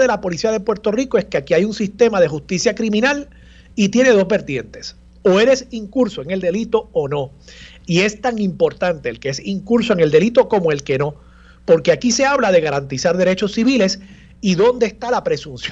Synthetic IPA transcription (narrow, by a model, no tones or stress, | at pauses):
ðelapo̞lisiaðe̞pwe̞ɾt̪o̞riko̞e̞ske̞akiajuŋsist̪e̞mað̞e̞ɦust̪isjakɾimĩnal | it̪je̞ne̞ðo̞zβbe̞ɾt̪je̞nt̪e̞s | o̞e̞ɾe̞siŋkuɾsoe̞ŋe̞ld̪e̞lit̪o̞ono̞ | ie̞st̪aŋimpo̞ɾt̪ant̪e̞ːlkeesiŋkuɾso̞eŋe̞ld̪e̞lit̪oko̞moe̞lke̞no̞ | po̞ɾkeakise̞aβlaðe̞ɣaɾant̪isaɾðeɾe̞t͡ʃo̞sːiβile̞s | iðo̞nd̪eːst̪alapɾe̞suns